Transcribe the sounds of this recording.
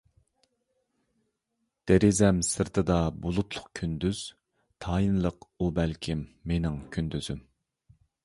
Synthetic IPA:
d̪̥eɾɪzɛmsɨɾt̪ʰɨd̪ɑbolˠut̪ʰlˠʊ̥qkʲʰynd̪yz̥ | t̪ʰɑːjinlˠəqubɛlkʲʰimːenɪŋkʲʰynd̪yz̥ym

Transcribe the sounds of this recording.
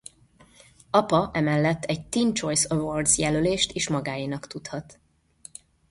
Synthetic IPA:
ɒpɒʔɛmɛlːɛt̪ːɛɟt̪int͡ʃo̞jsøvord̪zjɛløleːʃt̪eːʃmɒɡaːjinɒkt̪ut̪hɒt̪

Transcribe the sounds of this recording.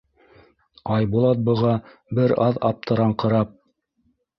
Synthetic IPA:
ɑjbulˠɑt̪̚bɤ̆ʁɑbɘɾɑðɑ̰p̚t̪ʰɤ̆ɾɑɴqɤ̆ɾɑp̚

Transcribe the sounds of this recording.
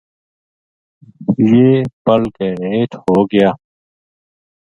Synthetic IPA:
jeːpəlkeɦeːt̪hoːɡɪjaː

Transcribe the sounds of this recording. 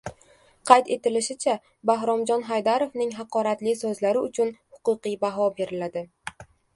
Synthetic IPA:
qʰɑjt̪e̞t̪ɪlɪʃɪt͡ʃʰa | baɦɾɒmd͡ʒɒnɦajd̪aɾovnɪŋɦɑqʰɒɾat̪lɪsɵzlaɾɪʊt͡ʃʰʊnhʊqɨqɨjbaɦɒbe̞ɾɪlad̪ɪ

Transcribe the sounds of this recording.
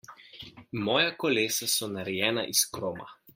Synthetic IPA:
mɔːjakɔleːsasɔnaɾɛjɛːna̰ʔiskɾoːma̰

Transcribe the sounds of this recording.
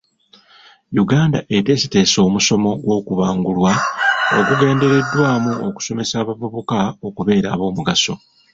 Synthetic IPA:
juɡaːnda̰ʔe̞te̞site̞ːso̞ːmuso̞mo̞ɡwo̞ːkuβaːŋɡulwao̰kuɡe̞ːnde̞ɾe̞dːwaːmuo̞ku̥so̞me̞saːβavuβukao̞kuβe̞ːɾa̰ːβo̞ːmuɡaso̞̰

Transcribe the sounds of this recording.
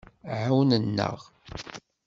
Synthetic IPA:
ʕawnənːə̰ʁ

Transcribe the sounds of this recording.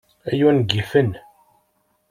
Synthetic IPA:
æjunɡifən

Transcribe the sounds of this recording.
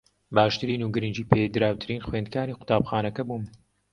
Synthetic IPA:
baːʃt̪ɨɾiːnuːɡɨɾɨnd͡ʒiːpʰed̪ɨɾaːwt̪ʰɨɾiːnxweːnd̪̚kaːniːqʊ̥t̪ʰaːbxaːnɐkɐbum

